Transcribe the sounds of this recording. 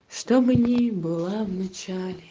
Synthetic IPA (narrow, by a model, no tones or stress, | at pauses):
ʂt̪obɨnʲibɨlˠavnɐt͡ʃalʲe